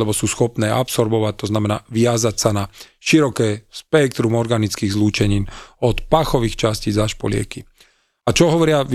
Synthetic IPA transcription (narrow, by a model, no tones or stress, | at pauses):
lɛbɔsuːsxɔpnɛːʔapsɔɾbɔʋac̚t̪ɔznamɛna̰ːʋɪazacsana | ʃiɾɔkɛːspɛk̚t̪ɾumɔɾɡanit͡skiːɣzluːt͡ʃɛɲiːnɔt̪paxɔʋiːxt͡ʃasciːzaʃpɔ̰lɪɛ̰ki | at͡ʃɔɦɔʋɔɾɪaʋ